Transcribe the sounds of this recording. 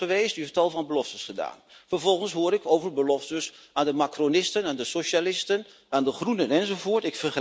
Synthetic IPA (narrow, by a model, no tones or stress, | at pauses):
əʋeːstyɦɛftɑlˠvɑnbəlɔftəsχəda̰ːnfərvɔlˠχənsɦʊːɾɪkowvərbəlɔftəsaːndəmakronɪstənandəsoʃalɪstən | aːndəχrunənɛnzovoːɹtɪkfərχə